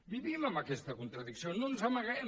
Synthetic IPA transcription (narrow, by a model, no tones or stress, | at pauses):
miðimamakɛst̪əkunt̪ɾɐðiksiononsamaɣɛ